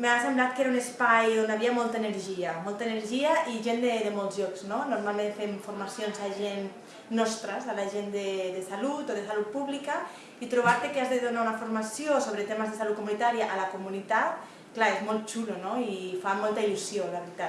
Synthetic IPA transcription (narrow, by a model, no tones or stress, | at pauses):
measemblat̪̚keɾaunespajonaβiamolˠt̪aeneɾʒiamɔlˠt̪aeneɾʒiaʔiʒend̪eðemolˠzʎɔkz̥nonuɾmalmẽnt̪femfuɾmasjonzaʒenː | ɔst̪ɾazalaʒend̪eðesalut̪oðesalut̪̚puβlika | it̪ɾuβ̞aɾt̪ekeazðeðunaunafuɾmasjosoβ̞ɾet̪emazðesalut̪̚kumunit̪aɾiaʔalakumunit̪at̪̚ | klaezmɔlˠt̪̚t͡ʃulonoifamɔlˠt̪ailusiolaβɾit̪a